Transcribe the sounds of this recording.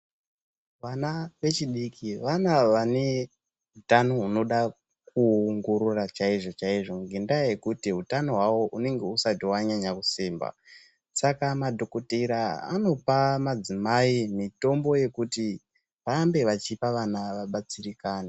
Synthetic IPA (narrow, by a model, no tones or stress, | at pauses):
ʋanaʋe̞t͡ʃiɗikʰiʋanaʋane̞ | ɦutanoɦuno̞ɗa | k̚uŋɡoɾurat͡ʃaiʐo̞t͡ʃaiʐo̞ŋɡendaje̞kutiɦutanoɦwawo̞ʔune̞ŋɡe̞usatiwaɲaɲakusiːmba̰ | sakamadʱo̞kotiɾaa̰no̞pamad͡zimaimito̞mbo̞je̞kuti | ʋaːmbe̞ʋat͡ʃipaʋanaʋaɓat͡sirikaːna